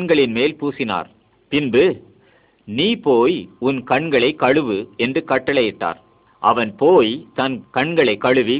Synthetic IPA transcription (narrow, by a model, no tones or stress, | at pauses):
nɡɐɭɪnmeːlpuːsɪna̰ːɾ | pɪnbɯ | niːpoːjʊnkɐɳɡɐɭɐɪkːɐɻɯʋɯɛndrɯkɐʈːɐɭɐjɪʈːa̰ːɾ | ʔɐʋɐnpoːjt̪ɐnkɐɳɡɐɭɐɪkːɐɻɯʋi